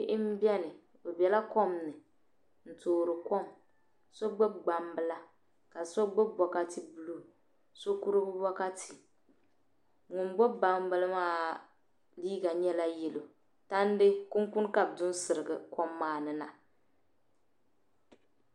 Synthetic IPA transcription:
ɪ˦ʔɪ˦m̩˦bi˦ɛ˦nɨ˨ | bo˨bɛ˨la˦kɔ˦mnɨ˨ | n̩˨toː˨ɾɨ˨kɔ˦m | sɔ˦ɡ͡bɛ˦ɡ͡ba˨mbɨ˦la˦ | ka˨sɔ˦ɡ͡bɛ˦bɔ˨ka˦ti˦bu˨lu˦˨ | so˦ku˦ɾɨ˦bɨ˦bɔ˦ka˦tʰi˨ | ŋʊ˨nɡ͡bɛ˦ba˨mbɨ˦lɨ˦maː˦˨ | liː˦ɡa˨ɲɛ˦la˦jɛ˨lo˨ | ta˦n˦dɨ˦kʊ˦ŋkʊ˦nka˨b̚dʊ˦n˦sɨ˨ɾɨ˨ɡɨ˨kɔ˦mːaː˦˨nɨ˨na˨

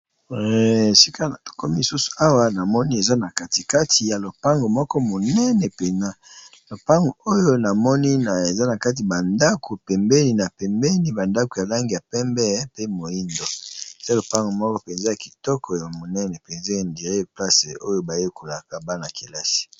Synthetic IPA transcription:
ɛ˦˨si˦kʰa˦na˨to̥˨kɔ˦mi˦i˨su˦su̥˨a˦wa˦na˨mɔ˦ni˦e˨za˦na˨ka˦ti˨ka˦tʰi˨ja˨lo˨pa˦ŋɡo˨mɔ˦kɔ˦mo˨nɛ˦nɛ˨pe˨na˦lo˨pa˦ŋɡo˨o˦jo˦na˨mɔ˦ni˦na˨e˨za˦na˨ka˦t̬i˨ba˨nda˦kʰo˨pɛ˨mbɛ˦ni˨na˨pɛ˨mbɛ˦ni˨ba˨nda˦ko˨ja˨la˦ŋɡi˨ja˨pɛ˦mbɛ˦ɛ˦pe˦mo˨i˦ndɔ˦e˨z̥a˦lo˨pa˦ŋɡo˨mɔ˦kɔ˦pe˨nze˦ja˨ki̥˨tɔ˦kʰɔ˨ja˨mo˨nɛ˦nɛ˨pe˨nze˦e˨ndi˨ʁe˦˨pla˦se˨ʔo˦jo˦ba˨je˦ko˨la˨ka˨ba˦na˨ke˨la˦si̥˨

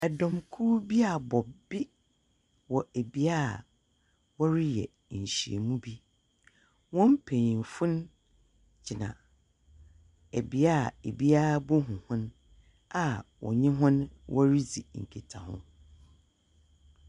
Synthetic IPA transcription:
ɛ˨dɔ̃˨mkʰu˦bi˦a˨bɔ˨bɪ˦ | wɔ˨æ˨bi˦a˦˨ | wɔ˦ɾi˦jɛ̰˨ɕi˨ḛ˨mũ˦bi˦ | wɔ̃˦m˦pʰẽ˨ɲĩ˨m˨fʊ̃˦n | d͡ʑi˨nã̰˨ | æ˨bi˦a˦˨e˨bi˦a˦bʊ˦ɦʊ̃˨hʊ̃˦n | a˨wʔɔ̰˨ɲɪ̃˦ɦʊ̃˦nwʔɔ˦ɾi˦d͡zi˨ŋ̩˨kʰi˨tʰã˨hʊ̰̃˦

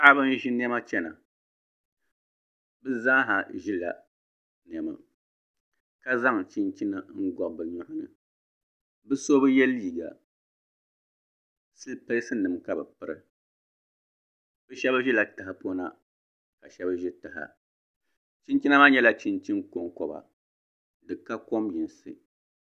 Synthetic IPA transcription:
a˦bɨ˦n˦ʒi˦n˦ɛ˦ma˦t͡ʃɛ˦na̰˨ | bɨ˦za˦ɦa˨ʒi˦la̰˨ | n˨ɛ˨ma̰˨ | ka˦za˦ŋt͡ʃi˦nt͡ʃi˦na˦ŋ̩˦ɡɔ˨bɨ˨ɲɔ˦hʊ˨nɨ̰˨ | bɨ˦so˦bɨ˦jɛ˦lːiː˦˨ɡa̰˨ | sɨ˦lpɨ˦lsɨ˦nɨ˨mka˦bɨ˨pɨ˦ɾɨ˦ | bɨ˦ʃɛ˦ba˦ʒi˦la˨tɨ˨ɦa˨po˦na˦ | ka˨ʃɛ˦ba˦ʒɪ˦tɨ˨ɦa̰˨ | t͡ʃi˦nt͡ʃi˦na˦ma˦ɲɛ˦la˦t͡ʃi˦nt͡ʃi˦nko˨ŋkɔ˨ba̰˨ | dɨ˨ka˦ko˦mji˨n˨sɨ̰˨

